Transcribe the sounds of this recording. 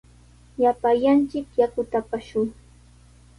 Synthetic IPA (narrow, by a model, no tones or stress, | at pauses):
japajant͡ʃɪkjakʊt̪apaʃʊŋ